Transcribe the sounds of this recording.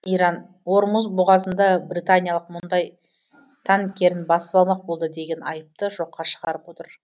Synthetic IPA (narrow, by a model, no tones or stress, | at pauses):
ijɾɑn | wo̞ɾmuzbʊʁɑzənd̪ɑbrit̪anʲijɑlˠəq̚mʊnd̪ɑj | t̪ʰɑnŋkʲːe̞ɾɪnbɑsə̥pɑlˠmɑq̚bo̞lˠd̪əd̪e̞ɡʲe̞nɑjəp̚t̪əʒo̞qːɑʃəʁɑɾəpwo̞t̪əɾ